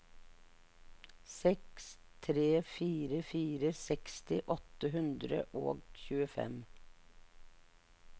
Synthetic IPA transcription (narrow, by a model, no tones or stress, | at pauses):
sɛks | t̪ʰɾeːfiːɾəfiːɾəsɛkst̪ɪʔɔt̪əhʉnd̪ɾə̰ʔo̰ːɡçʉːəfɛ̰m